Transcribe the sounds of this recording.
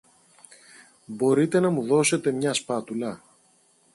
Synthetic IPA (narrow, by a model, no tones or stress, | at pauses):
bo̞ɾit̪e̞nɐmuðo̞se̞t̪e̞mɲɐspɐt̪ulɐ